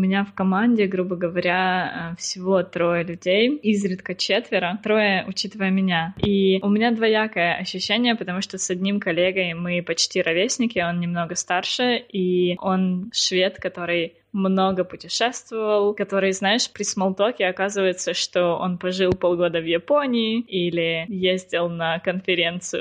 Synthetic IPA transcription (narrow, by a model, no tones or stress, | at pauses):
ʊmʲɪnʲafkɐmanʲdʲɪɡɾubəɡəvɐɾʲafsʲɪvo̞t̪ɾo̞jəlʲʉdʲejizɾʲɪt̪kət͡ɕet̪vʲɪɾət̪ɾo̞jəʔʊt͡ɕit̪ɨvəjəmʲɪnʲaiʊmʲɪnʲad̪vɐjakəjəʔɐɕːʉɕːenʲɪjəpət̪ɐmuʂt̪osɐdʲnʲimkɐlʲeɡəjmɨpɐt͡ɕtʲiɾɐvʲesʲnʲɪkʲɪo̞nnʲɪmno̞ɡəst̪arʂɨʔiʔo̞nʂvʲe̞t̪kɐt̪o̞ɾɨj | mno̞ɡəpʊtʲɪʂɛst̪vəvəlˠkɐt̪o̞ɾɨjznaɪʂpɾʲɪsmɐlˠt̪okʲɪɐkazɨvəjɪt̪səʂt̪oo̰npɐʐɨlˠpolˠɡod̪əvjɪponʲɪɪilʲɪjezʲdʲɪlˠnəkənfʲɪɾʲe̞nt̪sɨjʊ